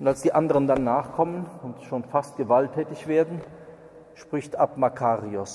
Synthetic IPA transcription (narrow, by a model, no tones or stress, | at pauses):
ʊntalsd̥iːʔandəʁəndanːaːχkʰɔmənʊntʃoːnfastɡ̥əvaltʰːɛːtɪçv̥eːɐdn̩ | ʃpʁ̥ɪçtapmakʰaːʁiʊs